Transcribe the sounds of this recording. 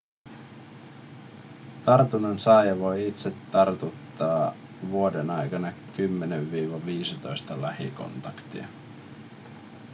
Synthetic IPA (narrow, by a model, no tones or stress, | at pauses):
t̪ɑrt̪unɑnsɑːjɑʋo̞jit̪se̞t̪ːɑrt̪ut̪ːɑː | ʋuo̞denɑjkɑnɑkymːeneʋːiːʋɑʋiːsit̪o̞jst̪ɑlæhḭko̞̰nt̪ɑkt̪ḭɑ̰